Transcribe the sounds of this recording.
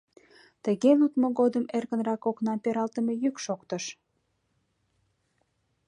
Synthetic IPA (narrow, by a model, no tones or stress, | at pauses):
t̪əɣelut̪moɣod̪əmerɣənrɑkoknɑmpeɾɑlt̪əmejykʃokt̪əʃ